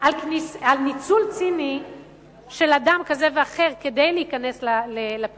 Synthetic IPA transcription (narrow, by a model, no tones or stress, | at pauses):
alknisalnit͡sult͡sini | ʃe̞ladamkazeveaχe̞ʁked̪ejleikaneslalelap